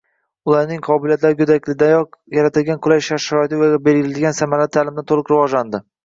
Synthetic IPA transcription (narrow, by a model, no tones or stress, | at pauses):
ʊlˠaɾnɪŋqʰɒbɪlijat̪laɾɪkʲʰʊd̪akʲlɪd̪ajɒqjaɾat̪ɪlɡʲankʰʊlajʃaɾʃaɾɒɪt̪ɪvaɡʲabe̞lɡʲɪlad̪ɪɡʲansamaɾat̪ʰːalɪmd̪ant̪ʰolˠɪqɾɪvɒʒland̪ɪ